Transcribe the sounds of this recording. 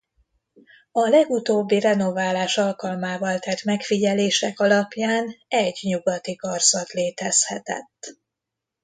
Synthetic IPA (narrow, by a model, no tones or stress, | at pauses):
ɒlɛɡut̪oːbːirɛno̞vaːlaːʃɒlkɒlmaːvɒlt̪ɛt̪mɛkfiɟɛleːʃɛkɒlɒpjaːnɛɟɲuɡɒt̪ikɒrsɒt̪leːt̪ɛshɛt̪ɛ̰t̪ː